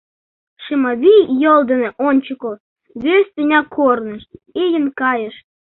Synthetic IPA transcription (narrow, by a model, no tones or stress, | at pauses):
ʃemɑβʲijolˠd̪ə̆neʔonʲt͡ɕəkol | βʲøsʲt̪ʲenʲɑkʰornə̆ʃijə̆nkɑjə̆ʃ